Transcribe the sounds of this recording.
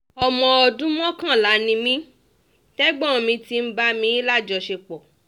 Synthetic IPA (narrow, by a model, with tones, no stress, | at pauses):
ɔ˧mɔ̃˧ɔ˧dũ˦mɔ̃˦kã˦˨la˨˦nĩ˧mĩ˦ | tɛ˦ɡ͡bɔ̃˦˨mĩ˧ti˧m̩˦ba˦mĩ˨˦i˦la˦˨d͡ʒɔ˧ʃe˧k͡pɔ˨